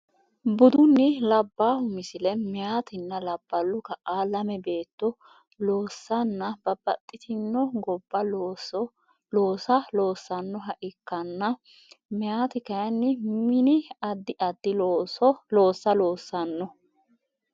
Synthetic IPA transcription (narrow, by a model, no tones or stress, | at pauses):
bʊd̪ʊnːɪlɐbːaːhʊmɪsɪlɛmɛjaːt̪ɪnːɐlɐb̥ːɐlːʊkɐʔaːlɐmɛbeːt̪ːɔ | loːsːɐnːɐb̥ɐbɐt̪ʼːɪt̪ʰɪnːɔɡɔbːɐ | loːsɐlo̞ːsːɐnːɔɦɐʔɪkːɐnːɐ | mɛjaːt̪ɪkɐjɐnːɪmɪnɪɐd̪ːɪʔɐd̪ːɪloːsɔlo̞ːsːɐloːsːɐnːɔ